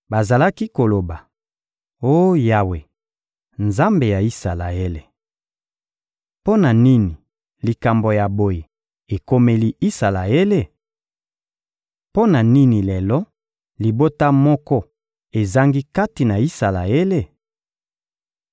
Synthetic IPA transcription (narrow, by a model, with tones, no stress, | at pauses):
ba˨za˨la˦ki˦ko˨lo˨ba˨ | o˦ja˨we˨ | nza˦mbe˨ja˨i˦sa˨la˨e˦le˨ | po˦na˨ni˦ni˨ | li˨ka˨mbo˨ja˨bo˨je˨ | e˨ko˦me˦li˦i˦sa˨la˨e˦le˦˨ | po˦na˨ni˦ni˨lɛ˨lɔ˦ | li˨bo˦ta˦mɔ˦kɔ˦ | e˨za˦ŋɡi˦ka˦ti˨na˨i˦sa˨la̰˨e˦le˦˨